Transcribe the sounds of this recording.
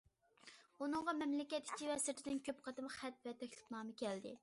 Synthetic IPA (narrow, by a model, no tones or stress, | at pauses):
unɨŋʁɑmɛmlɪkʲɛt̪i̥t͡ʃʰʲivɛsɪt̪ʰɪd̪ɪnkʲʰøpqʰɑt̪ɨmχæt̪vɛt̪ʰɛkʲlɪ̥pnɑːmɨkʲʰɛld̪ɪ̰